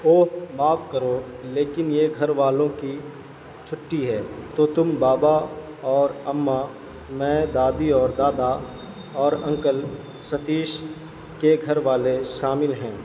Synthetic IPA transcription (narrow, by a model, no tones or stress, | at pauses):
oːmaːfkəɾo | leːkɪnjeɡʱɐɾʋaːlõki | t͡ʃʰʊʈːiɦɛːt̪oːt̪ʊmbaːba | ɔːɾɐmːa | mɛ̃ːd̪aːd̪iɔːɾd̪aːd̪a | ɔːɾɐ̃ŋkəl | sɐt̪iːʃ | keɡʱɐɾʋaːleʃaːmɪlɦɛ̃ː